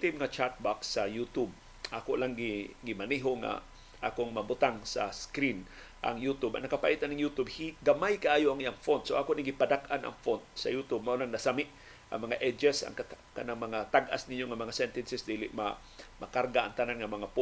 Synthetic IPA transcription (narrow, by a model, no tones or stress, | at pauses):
t̪imŋat͡ʃat̪̚baksɐjut̪ʊb̚ | ʔakoʔlaŋɡɪɡɪmaniɦoŋa̰ | ʔaːkoŋmɐbʊt̪aŋsa̰skɾin | ʔa̰ŋjut̪ʊbɐ̰ŋnɐkapa̰ʔit̪anaŋjut̪ubhiɡɐmajkaʔaːjoʔaŋɪjaŋfont̪soʔakoʔniɡɪpad̪akanʔɐ̰ŋfont̪̚sɐ̰jut̪ʊb̚maʔulaŋnɐsamɪʔ | ʔa̰ŋmɐŋaʔɛd͡ʒɛsa̰ŋkkɐnaŋmɐŋat̪aɡʔa̰snɪɲoŋamɐŋasɛnt̪ɛnsɪsd̪iːlɪʔma̰ | mɐkaɾɡaʔaŋt̪ananŋɐmɐŋap